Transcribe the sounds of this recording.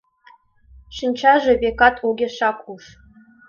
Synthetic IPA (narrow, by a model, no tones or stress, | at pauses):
ʃɨnʲt͡ɕɑʒĕβʲekɑt̪ʰoɡʲeʃɑkuʂ